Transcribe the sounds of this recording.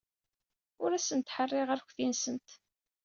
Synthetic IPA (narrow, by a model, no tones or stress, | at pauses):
ʊɾæsənt̪ħərˤːeʁæɾçfinsənt̪